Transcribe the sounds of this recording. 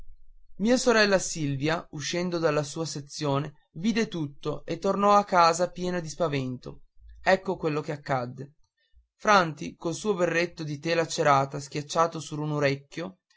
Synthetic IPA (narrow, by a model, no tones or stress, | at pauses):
miːasoɾɛlːasilvjauʃːɛnd̪od̪alːasuːaset̪sːjoːne | viːd̪et̪ut̪ːoet̪ːornɔakːaːzapjɛːnad̪ispavent̪o̰ɛkːokwelːokeakːad̪ːe | fɾant̪ikolsuːoverːet̪ːod̪it̪eːlat͡ʃeɾaːt̪ask̟jat͡ʃːaːt̪osuɾunoɾɛkːjo